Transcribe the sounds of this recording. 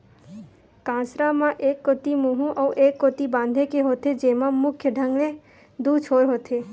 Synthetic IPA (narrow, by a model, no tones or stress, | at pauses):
kãsɾamãʔekːot̪imuɦũʔəwʔekːot̪ibãnd̪ʱekeɦot̪ed͡ʒemãmʊkʰjəɖʱə̃ŋɡɭe | d̪ut͡ʃʰoɾɦot̪ʰe